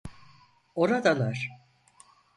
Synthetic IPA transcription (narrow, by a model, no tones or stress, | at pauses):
o̞ɾad̪alˠaɾ̥